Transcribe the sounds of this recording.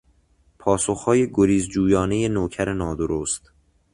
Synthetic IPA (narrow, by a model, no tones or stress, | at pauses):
pʰɒːsoxhɒːje̞ɡoɾiːzd͡ʒuːjɒːneje̞noːcʰæɾenɒːd̪oɾost̪